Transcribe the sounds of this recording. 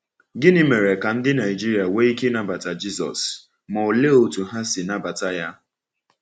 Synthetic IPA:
ɡɪ˦nɪ˦me˨ɾe˨ka˨n̩˦dɪ˦na˨ɪ˨d͡ʒi˦ɾi˨a˨we˦i˦ke˦na˦ba˨ta˨d͡ʒi˦sɔ̰˨s | mɔ˨o˨le˦o˨tu˨ɦa˦sɪ˨na˦ba˨ta˦ja˦

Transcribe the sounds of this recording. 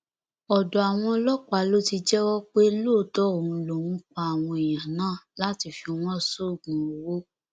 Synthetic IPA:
ɔ˨dɔ˨a˨w̃ɔ̃˧lɔ˦k͡pa˨˦lo˦ti˧d͡ʒɛ˦wɔ˦k͡pe˦loː˦˨tɔ˦o˨ũ˧lo˨ũ˨˦k͡pa˧a˨w̃ɔ̃˧e˨j̃ã˨nãː˦˨la˨˦ti˧fi˧˦w̃ɔ̃˦˨so˦˨ɡũ˨o˨wo˦

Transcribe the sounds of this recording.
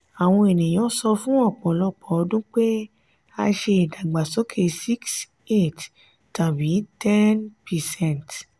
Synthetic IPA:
a˨w̃ɔ̃˧e˨nĩ˨j̃ɔ̃˨˦sɔ˧fũ˦ɔ˦˨k͡pɔ˨˦lɔ˦˨k͡pɔ˨ɔ˧dũ˦k͡pe˦ | a˧ʃe˧i˨da˨ɡ͡ba˨sɔ˨˦kʰe˦˨si˦ks | e˦˨t | tã˨bĩ˨˦tɛ˦npɛ˨sɛ̃˦˨nt

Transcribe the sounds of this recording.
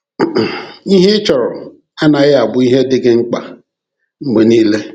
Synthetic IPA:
i˦ɦe˦ɪ˦t͡ʃɔ˨ɾɔ˨ | a˦na˨ɣɪ˦a˨bʊ˦i˦ɦe˦dɪ˦ɡɪ˦ŋ͡m̩˦k͡pa̰˨ | ŋ͡m̩˨ɡ͡be˨niː˦le˦

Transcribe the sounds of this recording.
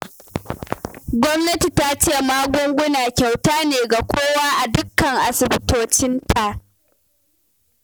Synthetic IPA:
ɡʷɔ˦mnɐ˦ti˨ta˦t͡ʃeː˦˨maː˦ɡʷʊ˦ŋɡʷʊ˦naː˨kʲa˨wtaː˦neː˨ɡa˨kʷʰoː˦waː˦ʔa˨dʊ˦kːɐ˨ŋʔa˨sɪ˨bɪ˦toː˦t͡ʃɪ˦ntʰa˨ʔ

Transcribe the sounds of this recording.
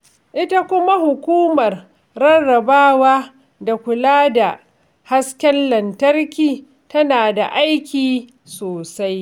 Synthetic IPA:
ʔɪ˦ta˦kʷʊ˦ma˦hʊ˨kʷuː˦mɐ˨r | ɾɐ˦nːɐ˨baː˦waː˦ | da˨kʷʊ˨laː˦da˨ | ha˦skʲɛ˦nlɐ˨ntɐ˦rkʲiː˦ | tɐ˦naː˨da̰˨ʔa˦jkʲiː˨ | soː˨sa˦j

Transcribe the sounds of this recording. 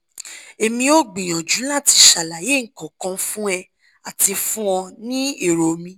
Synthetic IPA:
e˧mĩ˧o˦ɡ͡bĩ˨j̃ɔ̃˨d͡ʒu˨˦la˦˨ti˧ʃa˨la˨je˨˦ŋ̩˨kɔ̃˨kɔ̃˧˦fũ˦ɛ˧ | a˨ti˧fũ˦ɔ̃˧nĩ˦i˦˨ɾo˨mĩ˧

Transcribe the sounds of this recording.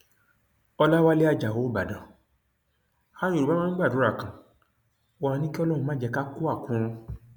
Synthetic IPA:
ɔ˧la˦wa˦le˦a˦˧d͡ʒa˨wo˨˦˨ba˨dã˨ | ha˦nĩ˦˨u˨ba˦mã˦ɡ͡ba˦˨dũ˨˦ɾa˦˨kã˨˧ | a˧nĩ˦ki˦ɔ˦lɔ̃˦˨ũ˧mã˦d͡ʒɛ˧ka˦ku˦a˦˨kũ˨˦ɾ̃ɔ̃˧

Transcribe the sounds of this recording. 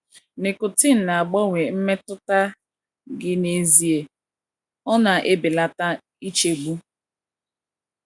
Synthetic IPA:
nɪ˨kʊ˨tɪ˦n̩˨na˨a˨ɡ͡bɔ˦ŋʷe˨m̩˦me˦tʊ˦ta˦ | ɡɪ˦ne˦zi˦e˨ | ɔ˦na˨ʔe˦bɪ˨la˦ta˦ | i˦t͡ʃe˨ɡ͡bu˦

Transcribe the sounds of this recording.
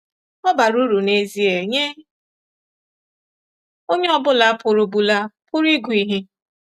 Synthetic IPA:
ɔ˦ba˨ɾu˦ɾu˨ne˦zi˦e˨ɲe˦ | o˦ɲe˦ɔ˦bʊ˦la˦pʊ˨ɾʊ˨bu˨la˦pʊ˦ɾi˦ɡʷʊ˨i˦ɦi˦

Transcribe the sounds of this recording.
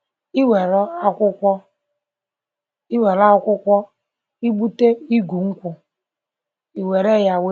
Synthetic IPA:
i˦we˨ɾɔ˦a˦kʷʊ˦kʷɔ˦ | i˦we˨ɾa˦kʷʊ˦kʷɔ˦ | i˦ɡ͡bu˦te˦i˦ɡu˨ŋ̩˦kʷʊ˨ | i˨we˨ɾe˦˨ja˨we˦

